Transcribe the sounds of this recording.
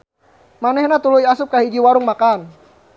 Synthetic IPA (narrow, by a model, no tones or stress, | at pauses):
manɛhnat̪ulujasʊp̚kaɦid͡ʒiwaɾʊŋmakan